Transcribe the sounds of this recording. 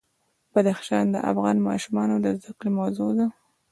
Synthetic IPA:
b̥ad̪axʃɑnd̪əʔa̰fɣɑnmɑʃumɑnod̪əzd̪aqlimawzod̪a

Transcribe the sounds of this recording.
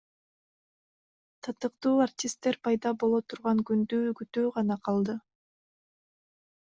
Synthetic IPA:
t̪ʰɑt̪ɯqt̪uːartʲist̪ːe̞ɾpɑjd̪ɑbo̞lˠot̪ʰuɾʁɑŋɡynd̪yɡyt̪øːʁɑnɑqʰɑlˠd̪ɯ

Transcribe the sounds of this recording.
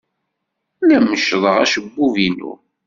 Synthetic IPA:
læməʃðˤəʁæ̰ʃəbːuvinṵ

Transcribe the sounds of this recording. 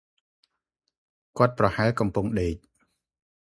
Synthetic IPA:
kŏət̪̚prɑhaɛlkɑmpuŋɗeːc̚

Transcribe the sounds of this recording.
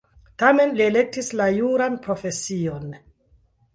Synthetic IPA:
tame̞nliele̞k̚tislajuɾanpɾofe̞sion

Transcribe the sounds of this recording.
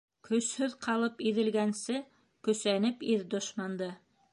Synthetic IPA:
kɵ̆shɵðqʰɑlˠɤpiðɘ̆lɡænsɘ | kɵ̆sænɘpiðd̪ŏʃmɑnd̪ɤ

